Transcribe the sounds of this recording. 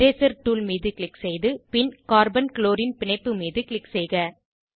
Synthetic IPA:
ɾeːsɐɾʈuːlmiːðɯkɪɭɪksɛjðɯpɪnkaːɾbɐnkloːɾɪnpɪnɐɪpːɯmiːðɯkɭɪksɛjɣɐ

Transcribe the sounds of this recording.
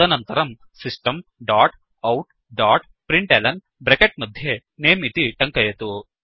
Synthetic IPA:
ɐnɐnt̪ɐɾɐm | sisʈɐmɖaːʈ | ɐwʈ | ɖaːʈ | pɾiɳʈeːlɐn | bɾekeʈ̚mɐd̪ʱje | neːmit̪iʈɐŋkɐjɐt̪u

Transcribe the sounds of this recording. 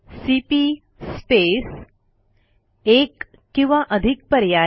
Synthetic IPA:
sipi | spes | ekː | ĩw̃ʋaʔəd̪ʱik̚pəɾja

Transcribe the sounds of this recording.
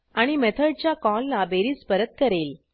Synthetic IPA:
aɽ̃imet̪ʰəɽ̚t͡ɕjakɔlːabeɾiːspəɾət̪̚kəɾel

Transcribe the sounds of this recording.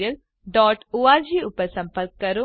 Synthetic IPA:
ɐl | ɖɔːʈuʋaːd͡ʒiːupɐsɐmpɐɾkːɐɾu

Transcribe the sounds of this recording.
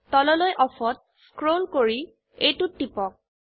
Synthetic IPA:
tɔlɔlojʔɔfɔt̚ | skɹolkoɹi | ejtutːipɔk̚

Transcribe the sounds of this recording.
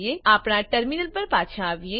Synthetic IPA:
eaːpɽ̃ãʈəɾmɪnəlpɐɾpaːt͡ʃʰãːʋie

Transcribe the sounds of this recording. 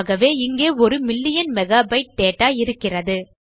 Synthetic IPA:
ɣɐʋeːɪŋɡeːɔɾɯmɪlːɪjɐnmɛɣaːbɐɪʈ̚t̪eːʈːaːɪɾɯkːɪrɐðɯ

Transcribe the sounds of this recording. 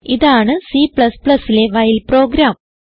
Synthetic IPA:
iðaːɳɨsipɭɐspɭɐsile̞ʋɐjilpro̞ːɡɾaːm

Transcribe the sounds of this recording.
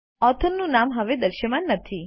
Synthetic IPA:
ɔt̪ʰənːũnamɦəʋed̪əɾʃjəmanːət̪ʰi

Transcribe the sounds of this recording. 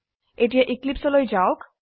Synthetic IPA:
eʈ̬ijaʔiklipsɔlojd͡ʒaok

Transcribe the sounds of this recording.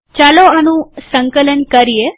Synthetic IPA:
t͡ʃaloanũsəŋkələnkəɾije

